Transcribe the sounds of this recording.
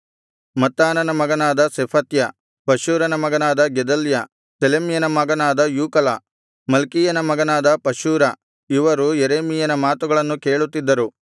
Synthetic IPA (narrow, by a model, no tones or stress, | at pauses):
mɐt̪ːaːnɐnɐmɐɡɐnaːd̪ɐsepʰɐt̪jɐ | pɐʃuːɾɐnɐmɐɡɐnaːd̪ɐɡed̪ɐljɐ | selemijɐnɐmɐɡɐnaːd̪ɐjuːkɐla | mɐlkijɐnɐmɐɡɐnaːd̪ɐpɐʃuːɾɐ | iʋɐɾujeɾeːmijɐnɐmaːt̪uɡɐɭɐnːuke̞ːɭut̪ːid̪ːɐɾu